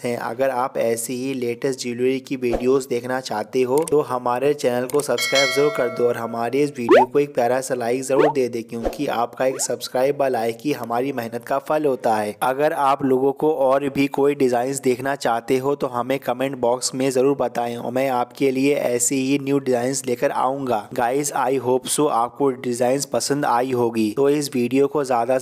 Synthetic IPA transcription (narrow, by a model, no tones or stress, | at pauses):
ɦɛ̃ʔɐ̰ɡəɾaːpɛːseɦileːʈəsʈd͡ʒuːlʋəɾikiʋiːɖijozd̪eːkʰnat͡ʃaːɦt̪eɦot̪oɦɐmaːɾet͡ʃɛːnəlkosɐbskɾaːɪbzoɾoːɾkɐɾd̪oɔːɾɦɐmaːɾeɪsʋiːɖijokoeːk̚pjaːɾasɐlaːɪkzɐɾuːɾd̪eːd̪ẽkjõːkia̰ːpkaeːksɐbskɾaːɪbalaːɪkkiɦɐmaːɾimɛɦnət̪kafɐlɦoːt̪aɦɛːɐɡəɾaːploːɡõkoʔɔːɾbʱikoːiɖɪzaːɪnsd̪eːkʰnat͡ʃaːɦt̪eɦot̪oɦɐmẽkɐmẽɳʈbɔːksmẽzɐɾuːɾbɐt̪aːẽɔ̰ːɾmɛ̃ːaːpkelieʔɛːseɦinjuːɖɪzaːɪnsleːkəɾa̰ːũːŋɡaːɡaːɪsaːiɦoːpsuʔa̰ːp̚koɖɪzaːɪnzpɐsə̃nd̪a̰ːiɦoːɡiːt̪oɪsʋiːɖijokozjaːd̪a